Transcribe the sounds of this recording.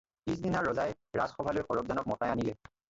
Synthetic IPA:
is̬dinaɹɔzaj | ɹa̰zxɔbʱalojxɔɹɔb̚zanɔk̚mɔtajanilɛ

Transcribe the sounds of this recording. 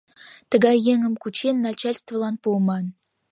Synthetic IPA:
t̪ə̆ɡɑjːeŋə̆mkut͡ɕenːɑt͡ɕælʲst̪vəlˠɑnpuəmɑn

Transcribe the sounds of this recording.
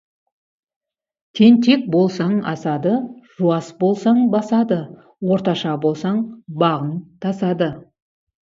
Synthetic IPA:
t̪ʰe̞nt̪ʰe̞k̚bo̞lˠsɑɴɑ̰sɑd̪əʒ̥uɑsbolˠsɑɴbɑsɑd̪ə | wo̞ɾt̪ɑʃɑbo̞lˠsɑɴbɑʁənt̪ʰɑsɑd̪ə

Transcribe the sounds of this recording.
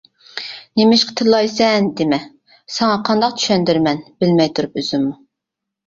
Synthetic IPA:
nemɪʃqə̥t̪ʰɨlˠɑjsɛnd̪ɪmɛ | sɛŋɑqʰɑnd̪ɑq̚tt͡ʃ̪ʰy̥ʃɛnd̪yɾmɛnbɪlmɛjt̪ʰuɾupøz̥ymːu

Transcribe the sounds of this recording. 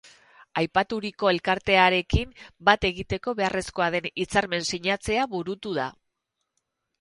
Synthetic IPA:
ajpat̪uɾiko̞e̞lkaɾt̪e̞aɾe̞kimbat̪e̞ɣit̪e̞ko̞βe̞are̞sko̞aðe̞nit͡saɾme̞nsiɲat͡se̞aβuɾut̪uða̰

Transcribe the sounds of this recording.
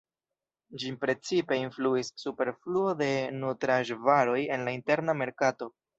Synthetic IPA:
d͡ʒipɾe̞t͡sipe̞influisːupe̞ɾfluo̞de̞nutɾaʒvaɾo̞je̞nlainte̞ɾname̞ɾkato̞

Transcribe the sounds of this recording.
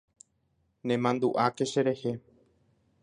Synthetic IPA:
nẽ̞mãnd̪uʔake̞ʃe̞ɾe̞he̞

